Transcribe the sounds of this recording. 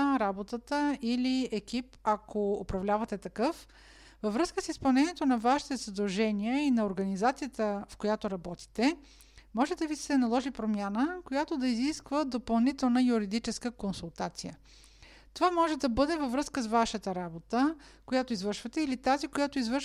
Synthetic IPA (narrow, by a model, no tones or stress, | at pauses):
ɾabot̪ət̪əiliɛk̟ipakoopɾɐvlʲavɐt̪ɛt̪ɐkɤf | vɐvɾɤskəsispɐlˠnɛniɛt̪onɐvaʃi̥t̪ɛzɐd̪ɐlˠʒɛniəinɐoɾɡɐnizat̪sijət̪əfkojat̪oɾɐbɔt̪i̥t̪ɛ | mɔʒɛd̪ɐvisɛnɐlˠɔʒipɾomʲjanəkojat̪od̪ɐiziskvəd̪opɐlˠnit̪ɛlˠnəjuɾid̪it͡ʃɛskəkonsulˠt̪at̪sijə | t̪ovamɔʒɛd̪ɐbɤd̪ɛvɐvɾɤskəsvaʃət̪əɾabot̪ə | kojat̪oizvɤɾʃvət̪ɛilit̪azikojat̪oizvəɾʃ